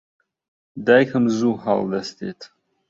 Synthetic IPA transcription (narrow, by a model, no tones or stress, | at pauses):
dajkʰɐmzuħa̰ldastʰḛtʰʼ